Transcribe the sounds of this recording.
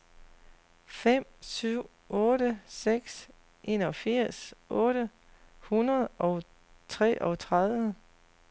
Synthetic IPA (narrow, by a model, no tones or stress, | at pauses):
fem̰syʊ̰ | ɔ̽ːɾəseɡ̥s | ʔe̝ːnɒ̽fiɐ̰sʔɔ̽ːɾ̥ə | hunɐðˠʔɒ̽ʊ | t͡sʰʁɛ̰ːʔɒ̽t͡sʰʁaðˠʋə